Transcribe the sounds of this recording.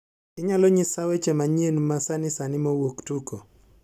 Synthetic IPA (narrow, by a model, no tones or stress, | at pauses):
kɪɲalɔɲɪsawɛt͡ʃɛmaɲienumasanɪsanɪmɔwoktukɔ